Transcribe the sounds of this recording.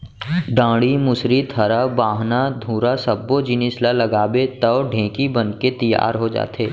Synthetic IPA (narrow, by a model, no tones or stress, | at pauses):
ɖãːɽimʊsɾit̪ʰɐɾabaːɦnad̪ʱũːɾasɐbːod͡ʒɪnɪslalɐɡaːbet̪ɐːɖʱẽːkibɐnket̪ɐja̰ːɾɦod͡ʒa̰ːt̪eː